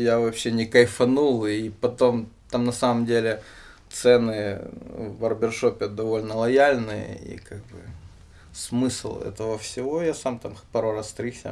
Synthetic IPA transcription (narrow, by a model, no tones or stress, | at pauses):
javɐpɕːenʲɪkɐjfɐnulˠipɐt̪o̞mt̪amnɐsaməmdʲelʲɪ | t̪sɛnɨ | vɐrbʲɪrʂo̞pʲɪd̪ɐvo̞lʲnəlˠɐjalʲnɨjə̰ḭkaɡ̚bɨ̰ | smɨslˠɛ̰t̪əvəfsʲɪvo̞jasamt̪ampɐɾorast̪ɾʲisʲə̰